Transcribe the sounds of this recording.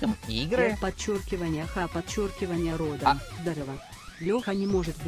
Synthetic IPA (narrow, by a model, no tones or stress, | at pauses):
əmiɡɾɨpɐt̚t͡ɕːo̞rkʲɪvənʲɪjəxɐpɐt͡ɕːo̞rkʲɪvənʲɪjəɾo̞d̪əzd̪ɐɾəvə | lʲoxənʲɪmo̞ʐɨt̪v